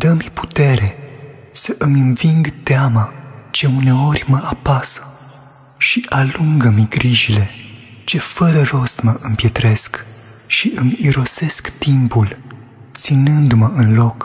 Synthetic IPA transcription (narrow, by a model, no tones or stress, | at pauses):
d̪əmpu̥t̪e̞ɾe̞ | səʔɨmɨnviŋɡt̪eamat͡ʃe̞une̞o̞rʲməapasə̥ | ʃiʔaluŋɡəmiɡɾiʒile̞ | t͡ʃe̞fəɾəro̞st̪məʔɨmpje̞t̪ɾe̞skʃiʔɨmiɾo̞se̞skt̪impul | t̪sinɨnd̪məɨnlo̞k